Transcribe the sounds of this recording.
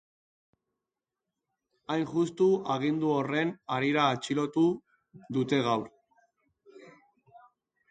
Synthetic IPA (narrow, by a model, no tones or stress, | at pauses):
ajnʝust̪uaɣ̞ind̪uo̞re̞naɾiɾaːt͡ʃilo̞t̪u | ðut̪e̞ɣawɾ